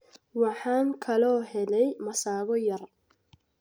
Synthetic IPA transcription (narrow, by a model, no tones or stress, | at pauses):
wɑħɑːŋkʰɐlɔːɦɛlɛjmɐsaːɣɔjɐr